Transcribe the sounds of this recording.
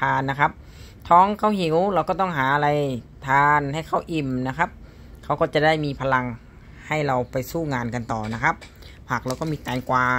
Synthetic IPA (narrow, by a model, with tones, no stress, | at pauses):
tʰaː˧nːa˦˧kʰa˦˥p̚ | t̪ʰɔː˧˥˨ŋkʰa˧˩whi˨˦wla˧wkɔː˥˩t̪ɔ˥˩ŋɦaː˨˩˦ʔa˧la˧jt̪ʰaː˧nha˥˩jkʰa˧˥˩wʔi˧˩mna˧kʰa˦˥p̚ | kʰa˧˩wkɔː˧˥˩t͡ɕa˨˧˩da˥˩jmiː˧pʰa˧la˧ŋ | ha˥˩jɾa˧wpa˨jsuː˥˩ŋaː˧nka˧nt̪ɔː˨˩na˦˥kʰa˦˥p̚ | pʰaː˨˩k̚ɾa˧wkɔː˥˩miː˧˥t̪ɛː˨˧˦nkwaː˧